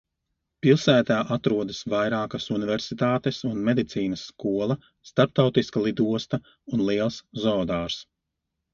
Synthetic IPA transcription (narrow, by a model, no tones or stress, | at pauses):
pilˠsæːt̪aːʔat̪ɾuɔd̪ɐsvajɾaːkɐsunivɛɾsit̪aːt̪esunmɛd̪it̪siːnɐsːkuɔlˠɐ | st̪aɾp̚t̪awt̪iskalˠid̪uɔst̪ɐ | unlˠiɛlˠszɔːd̪aːɾs